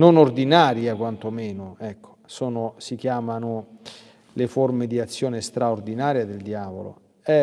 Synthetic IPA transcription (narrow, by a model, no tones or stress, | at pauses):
nonord̪inaːɾjakwant̪omɛːnoɛkːo̥sɔːnosik̟jaːmanʊ | leformed̪iat̪sːjoːnest̪ɾaord̪inaːɾjad̪eld̪jaːvo̰lo̰ | ɛ